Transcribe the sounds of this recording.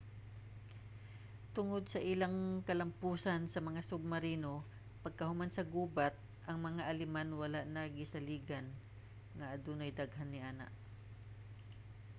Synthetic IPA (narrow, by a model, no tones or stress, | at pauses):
t̪ʊŋod̪̚sɐʔɪlaŋkɐlɐmpuːsɐnsɐmɐŋasʊb̚mɐɾiːno̞ | pɐɡ̚kɐhʊmansɐɡuːbat̪̚ | ʔɐŋmɐŋaʔɐlɪmanwɐlaʔnɐɡɪsɐliːɡɐn | ŋɐʔɐd̪uːnajd̪aɡɦanːɪʔaːna̰ʔ